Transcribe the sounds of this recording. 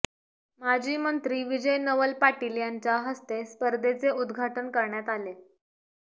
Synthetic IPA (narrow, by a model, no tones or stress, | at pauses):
mad͡ʑʱiːmənt̪ɾiːʋid͡ʑəjnəʋəlpaʈiljaɲt͡ɕaɦəst̪espəɾd̪ʱet͡seʔud̪ɡʱaʈənkəɾɳjat̪ale